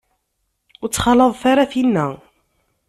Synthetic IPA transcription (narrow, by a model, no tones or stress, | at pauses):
t͡sːχɑləðˤθaɾaθinːæ